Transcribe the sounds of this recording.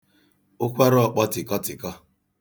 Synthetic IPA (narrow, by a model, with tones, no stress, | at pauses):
ʊ˦kʷa˦ɾɔ˦˨k͡pɔ˦tɪ˨kɔ˦tɪ˨kɔ˦